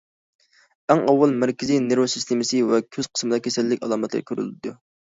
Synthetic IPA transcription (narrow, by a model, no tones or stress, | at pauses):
ɛŋɑwːɑlˠmæɾkʲɪzijneɾosist̪ʰɪmɪsɨwɛkʲʰøz̥qʰə̥smɨd̪ɑkʲʰesɛlːɪkʲɑlˠɑːmɛt̪l̰ɾkʰʲøɾy̰lɪd̪u